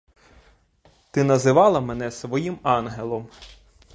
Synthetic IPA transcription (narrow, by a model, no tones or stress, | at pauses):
t̪ɪnɐzɪʋɑlˠɐmenɛsʋɔjimɑnɦelˠɔm